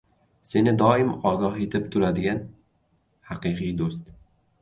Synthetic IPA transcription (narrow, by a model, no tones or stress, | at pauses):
se̞nɪd̪ɒːɪmɒːɡɒɦet̪ʰɪp̚t̪ʰʊɾad̪ɪɡʲan | haqiqʰɨjd̪ost̪